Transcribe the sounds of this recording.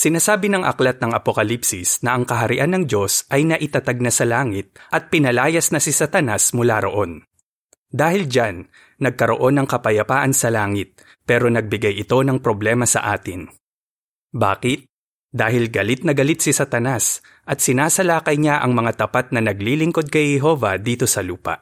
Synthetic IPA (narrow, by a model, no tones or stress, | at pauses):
sɪnaːsaːbɪnɐŋʔɐ̰klɐt̪̚nɐŋɐpokɐlipsɪsnɐʔɐŋkɐɦɐɾɪʔanɐŋd͡ʒo̞sʔɐjnɐʔɪt̪ɐt̪aɡ̚nasɐlaːŋɪt̪̚ʔɐt̪̚pɪnɐlaːjɐsnɐsɪsɐt̪ɐnasmʊlaːɾo̞̰ʔo̞n | d̪aːhɪld͡ʒanː | ɐɡ̚kɐɾo̞̰ʔo̞nɐŋkɐpɐjɐpaːʔɐnsɐlaːŋɪt̪̚ | pɛːɾo̞nɐɡ̚bɪɡajʔɪt̪o̞nɐŋpɾo̞blɛːmɐsɐ̰ʔaːt̪ɪn | baːkɪt̪̚ | d̪aːhɪlɡɐlɪt̪̚nɐɡɐlɪt̪̚sɪsɐt̪ɐnas | ʔɐt̪̚sɪnaːsɐlaːkɐjɲaʔɐ̰ŋmɐŋat̪ɐpat̪̚nɐnɐɡlilɪŋko̞d̪̚kɐjhɛɦo̞vɐd̪iːt̪o̞sɐluːpɐ̰ʔ